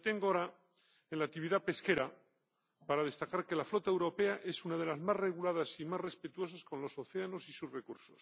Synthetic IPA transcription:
t̪eŋɡooɾa | enlak̚t̪iβiðape̞ske̞ɾa | paɾaðe̞st̪akaɾke̞laflo̞t̪aewɾo̞pe̞aʔe̞sunað̞e̞lazmazre̞ɣ̞ulað̞asimazre̞spe̞t̪uo̞sasko̞nlo̞so̞θe̞ano̞sisuzrekuɾsos

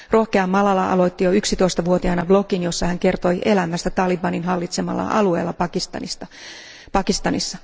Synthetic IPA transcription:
ro̞hkeɑmːɑlɑlɑʔɑ̰lo̞t̪ːijoyksit̪o̞ist̪ɑʋuo̞t̪iɑnɑblo̞kinjo̞sːɑhæŋke̞rt̪o̞jʔe̞læmːæst̪æt̪ɑlibɑninɦɑlːit̪se̞mɑ̰lːɑ̰ʔɑ̰lue̞̰ːlːɑpɑkist̪ɑ̰nist̪ɑ | pɑkist̪ɑnisːɑ

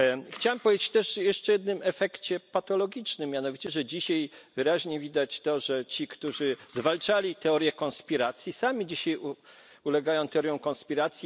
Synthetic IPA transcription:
xt͡ɕawampɔvʲed͡ʑet͡ɕt̪ɛʂjɛʂt͡ʂɛjɛd̪nɘmɛfɛkt͡ɕɛpat̪ɔlɔɡʲit͡ʂnɘmːjanɔvʲit͡ɕɛʐɛd͡ʑiɕajvɘɾaʑɲɛvʲid̪at͡ɕt̪ɔʐɛt͡ɕikt̪uʐɘzvalt͡ʂalʲit̪ɛɔɾjɛkɔ̃nspʲiɾat̪sʲjisamʲid͡ʑiɕaju | ulɛɡajɔ̃w̃t̪ɛɔɾjɔ̃w̃kɔnspʲiɾat̪sʲji

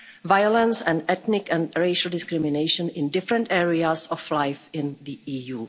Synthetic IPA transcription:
vajolɛ̃nsɛ̃ndɛt̪nɪkɛ̃ndɾeɪʃəldɪskɾɪmɪneɪʃə̃nɪ̃ndɪfɾɛ̃ntɛːɹiasɔflajfɪ̃nd̪iiːjuː

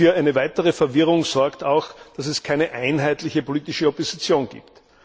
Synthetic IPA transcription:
fyːɐʔæɪnəvæɪtəʁəfɛɐvɪʁʊŋz̥ɔɐktaʊxd̥asɛskʰaɪnəʔaɪnɦæɪtlɪçəpoliːtɪʃəopozit͡sjoːnɡ̥ḭːpt

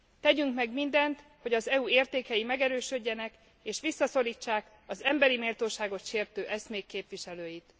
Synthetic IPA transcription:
t̪ɛɟyŋkmɛɡmind̪ɛnt̪ho̞ɟɒzɛueːrt̪eːkɛjimɛɡɛɾøːʃøɟːɛnɛk | eːʃʋisːɒso̞liːt͡ʃːaːk | ɒzɛmbɛɾimeːlt̪oːʃaːɡo̞t̪ʃeːrt̪øːʔɛsmeːpkːeːpʋiʃɛløːjit̪

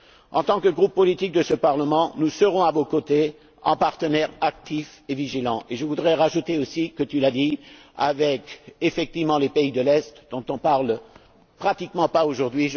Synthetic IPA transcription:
ɑ̰̃t̪ɑ̃kəɡʁupːɔlit̪ik̚d̪əsəpaʁləmɑ̃nusəʁɔ̃avokot̪e | ɑ̃paʁt̪ənɛʁak̚t̪ifeviʒilɑ̃ʔeʒəvud̪ʁɛʁaʒut̪eosikət̪ylad̪i | avɛkefɛk̚t̪ivmɑ̃lepeid̪əlɛst̪d̪ɔ̃t̪ɔ̃paʁl | pχat̪ikmɑ̃paoʒuʁd̪ɥiʒ

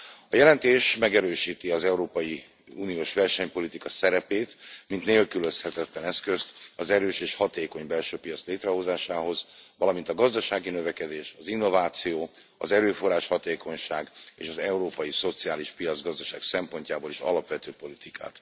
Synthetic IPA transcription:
ɒjɛlɛnt̪eːʃmɛɡɛɾøːʃiːt̪iɒzɛuɾoːpɒji | uːnijoːʃʋɛrʃɛɲpo̞lit̪ikɒsɛɾɛpeːt̪mint̪neːlkyløshɛt̪ɛt̪lɛnɛskøst̪ɒzɛɾøːʃeːʃhɒt̪eːko̞ɲbɛlʃøːpijɒt̪sleːt̪rɛɦo̞zaːʃaːɦo̞zʋɒlɒmint̪ɒɡɒzd̪ɒʃaːɡinøvɛkɛd̪eːʃɒzinːo̞vaːt̪sijoː | ɒzɛɾøːfo̞raːʃhɒt̪eːko̞ɲʃaːɡḛːʃɒzɛuɾoːpɒjiso̞t̪sijaːliʃpijɒd̪zɡɒzd̪ɒʃaːɡsɛmpo̞ɲcaːboliʃɒ̰lɒpʋɛt̪øːpo̞lit̪ikʰa̰ːt̪

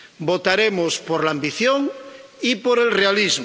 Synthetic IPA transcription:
bot̪aɾemospoɾlambiθjoŋipoɾelrealizm

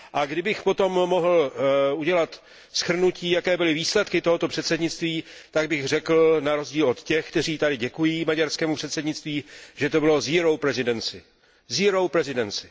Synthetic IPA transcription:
ʔaɡdɪbɪxpo̞t̪o̞mːoɦl̩uɟɛlat̪ | sxr̩nuciːjakɛːbɪlɪviːslɛt̪kɪt̪o̞ɦo̞t̪o̞pr̥ɛt̪sɛdɲɪt͡st̪viːt̪aɡ̚bɪɣrɛkl̩naɾo̞zɟiːlo̞t̪cɛxkt̪ɛriːt̪adɪɟɛkujiːmaɟaɾskɛːmupr̥ɛt̪sɛdɲɪt͡st̪viːʒ̥ɛt̪o̞bɪlo̞ziːɾo̞wpɾɛzɪdɛnt͡sɪ | ziːɾo̞wpɾɛzɪdɛnt͡sɪ

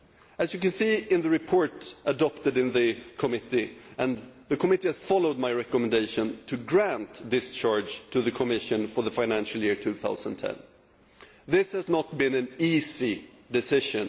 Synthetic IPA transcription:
ɨzjɨkɨ̃nsiɨ̃nðɨɹɨpʰɔɹtʔədɑp̚tɨɾɨ̃nðɨkʰəmɪɾiʔɨ̃nðɨkʰəmɪɾihɨz̥fɑlˠoʊd̚maɪɹɛkəmɨ̃n̩deɪʃɨ̃ntʰɨɡɹæ̃ntdɪst͡ʃʰɑɹd͡ʒ̥tʰɨðɨkʰəmɪʃɨ̃nfə˞ðəfãɪ̃næ̃nʃl̩ˠjɪɹtʰʉθa̰ʊz̃nən̩tʰɛ̰̃n | ðɪshɨznət̚b̥ɨ̃nɨ̃nizi | dɨsɪʃɨ̃n

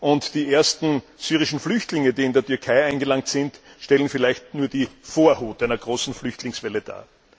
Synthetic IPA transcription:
ʔʊntd̥iːʔeːɐstn̩syːʁɪʃn̩flʏçtlɪŋədiːɪndeːɐtʰyɐkʰaɪaɪnɡəlaŋktsɪntʃtɛlənfɪlæɪçtnuːɐd̥iːfoːɐhoːtʔæɪnɐɡ̥ʁoːsn̩flʏçtlɪŋsvɛləd̥a̰ː

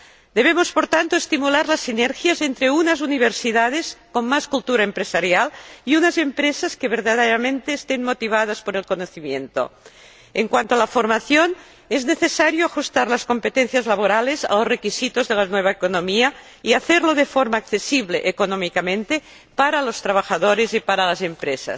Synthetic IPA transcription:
d̪eβemospoɾt̪ant̪oest̪imulaɾlasːineɾxjazent̪ɾeunazuniβ̞eɾsiðað̞eskommaskulˠt̪uɾaempɾesaɾjaliunazempɾesaskeβ̞eɾðaðeɾamẽnt̪eːst̪enmot̪iβ̞að̞aspoɾelkonoθimjent̪o̰ | eŋkwant̪oalafoɾmaθjon | ezneθesaɾjoaxust̪aɾlaskompet̪enθjazlaβ̞oɾaleza̰losrekisit̪ozðelanweβ̞aekonomia | iaθeɾloðefoɾmaːkθesiβleʔekonomikamẽnt̪e | paɾalost̪ɾaβ̞axaðoɾezipaɾalazempɾesa̰s

